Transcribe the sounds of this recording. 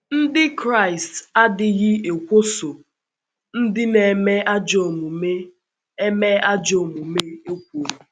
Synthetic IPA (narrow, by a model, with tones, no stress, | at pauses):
n̩˦dɪ˦kɾa˦˨ɪ˨sta˦dɪ˨ɣɪ˦e˨kʷo˦so˨ | n̩˦dɪ˦ne˨me˦a˦d͡ʒo˨mu˨me˦ | e˦me˦a˦d͡ʒo˨mu˨me˦e˦kʷo˨mu˨